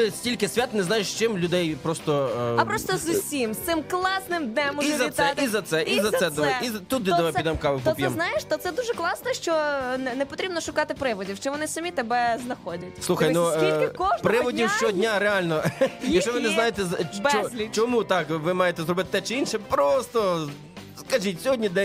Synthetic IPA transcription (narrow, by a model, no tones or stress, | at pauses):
t̪ɪsʲtʲilʲkɪsʲʋʲat̪nɛznɑjeʃt͡ʃɪmlʲʊd̪ɛjpɾɔst̪ɔɐpɾɔst̪ɔzʊsʲimst̪sɪmklˠɑsnɪmd̪nɛmːizɐt̪ɛtizɐt̪sɛʔizɐt̪ɛd̪ʋɛizɐt̪ut̪̚d̪ɪɔʋɛpʲid̪ɛmkɑʋɪpt̪ɔpʲjɛmznajeʃt̪ɔt̪sɛd̪uʒɛklˠɑsnɛʃt͡ʃɔnɛnɛpɔt̪ɾʲibnɔʃʊkɑt̪ɪpɾɪʋɔdʲiwt͡ʃɪʋɔnɪsɐmʲit̪ɛbɛznɐxɔdʲɐslˠuxɐjnuiɪkɔʃp̪ɾɪʋɔdʲiwʃt͡ʃɔɦɔdʲnʲaɾealʲnɔjɐkʃt͡ʃɔʋɪnɛznajet̪ɛzɐbt͡ʃɔlʲit͡ʃɔmut̪ɑkʋɪmɑjet̪ɛzɾɔbɪt̪ɪ̥t̪ɛt͡ʃɪinʃɛpɾɔst̪ɔ | skɐʒitʲsʲɔɦɔdʲnʲid̪ɛ